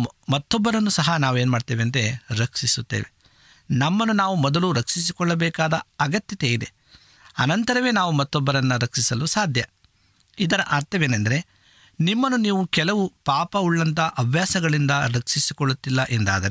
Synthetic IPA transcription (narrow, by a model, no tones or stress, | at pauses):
mɐt̪ːɔbːɐɾɐnːusɐɦɐnaːʋueːnmaːɖt̪eːʋeɐnt̪e̞ɾɐkʂisut̪ːḛːʋe | nɐmːɐnːunaːʋumɔd̪ɐluɾɐkʂis̬ikɔɭːɐbɛːkaːd̪ɐɐɡɐt̪jɐt̪e̞id̪e̞̰ | ɐnɐnt̪ɐɾɐʋe̞ːnaːʋumɐt̪ːɔbːɐɾɐnːuɾɐkʂisɐlusaːd̪ʱjɐ | id̪ɐɾɐʔaːɾt̪ʰɐʋeːnɐnd̪ɐɾe̞ | nimːɐnːuniːʋukɛlɐʋupaːpɐuɭːɐnt̪ɐʔɐbʱjaːsɐɡɐɭind̪ɐɾɐkʂisikɔɭːut̪ːilːɐʔɛnd̪a̰ːd̪ɐɾe